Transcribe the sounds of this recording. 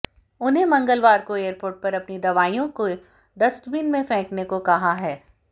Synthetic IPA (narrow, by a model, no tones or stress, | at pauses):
ʊnɦẽmɐ̃ŋɡəlʋaːɾkoeːəɾpoːɾʈ̚pɐɾɐpnid̪ɐʋaːijõko | ɖɐst̪biːnmẽfɛ̃ːknekokɐɦaɦɛː